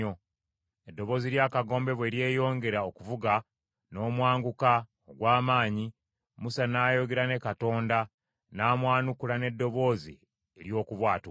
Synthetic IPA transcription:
o | edːo̞βo̞ːziɾjaːkaɡo̞ːmbe̞βwe̞ɾje̞ːjo̞ːŋɡe̞ɾaokuvuɡa | no̞ːmwaːŋɡuka | oɡwaːmaːɲi | musanaːjo̞ɡe̞ɾane̞kato̞ːnda | naːmwaːnukulane̞dːo̞βo̞ːzḭ | eɾjo̞ːkuβwaːti

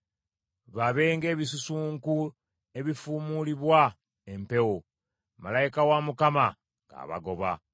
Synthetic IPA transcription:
βaβe̞ːŋɡe̞ːβisusuːŋku | e̞βifuːmuliβwa | empe̞wo | malaikawamukama | ŋɡa̰ːβa̰ɡo̞βa̰

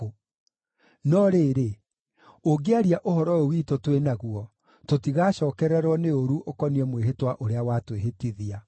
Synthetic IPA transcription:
nɔɾeːɾe | oɡeaɾiaʔoɦɔɾɔowiːtotwenaɣuɔ | totiɣaɕɔːkɛɾɛɾwɔneoɾuʔokɔniɛmweɦetwaʔoɾeawaːtweɦetiðia

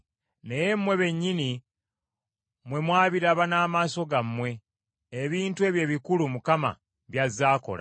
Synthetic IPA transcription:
neje̞mːwe̞βe̞ɲːini | mwe̞mwaːβiɾaβanaːmaːso̞ɡamːwe̞ː | βiːntue̞βje̞ːβikulumukama̰ | βjazːaːko̞̰la̰

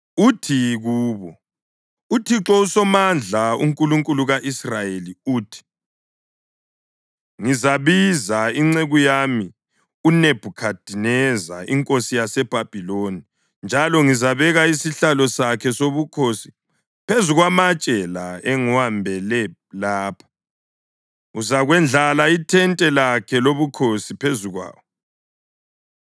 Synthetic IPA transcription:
utʰiɣuːβɔ | utʰiǁɔusɔmand͡ɮʱaṵŋkʼuluŋkʼuluɣaʔisrajeliuːtʰi̥ | ŋizaβizaiŋ͡ǀeɣujami | uneb̥ʱukʰad̥ʱinɛza̰ḭŋkʼosijasɛb̥ʱab̥ʱiloni | nd͡ʒʱalɔŋizaβɛɣaisiɬalɔsakʰɛsoβukʰosi̥ | pʰezuɣwamat͡ʃʼɛlaɛŋuwambʱɛlɛ | laːpʰḁ | uzaɣwɛnd͡ɮʱalaitʰɛntʼɛlakʰɛloβukʰosipʰezuɣwa̰ːwɔ

